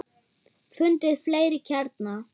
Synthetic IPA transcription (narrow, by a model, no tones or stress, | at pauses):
fʏnt̪ɪðfleːjɾɪcʰaɾt̪na